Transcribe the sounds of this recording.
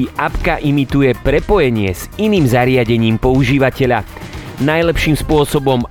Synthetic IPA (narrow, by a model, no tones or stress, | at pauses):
iʔapkaʔimit̪ujɛpɾɛpɔjɛɲɪɛz̥iniːmzaɾɪaɟɛɲiːmpɔuʒiːʋacɛʎa | najlɛpʃiːmspʊɔsɔbɔm